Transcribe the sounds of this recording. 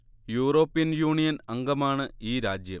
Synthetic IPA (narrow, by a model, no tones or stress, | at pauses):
juːro̞ːpːijɐnjuːɳijɐnɐŋɡɐmaːɳɨiːɾaːd͡ʑjɐm